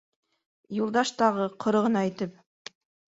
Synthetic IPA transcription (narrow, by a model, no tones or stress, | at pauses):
julˠd̪ɑʃt̪ɑʁɤqʰŏɾɤ̆ʁɤ̆nɑijt̪ɘp̚